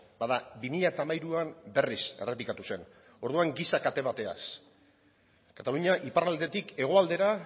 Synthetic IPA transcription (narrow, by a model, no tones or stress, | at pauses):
baðabimiʎaet̪aːmajɾuambe̞rise̞̰re̞plikat̪use̞n | o̞ɾðuaŋɡisakat̪e̞βat̪e̞a̰s | kat̪aluɲaʔiparald̪e̞t̪ike̞ɣ̞o̞ald̪e̞ɾa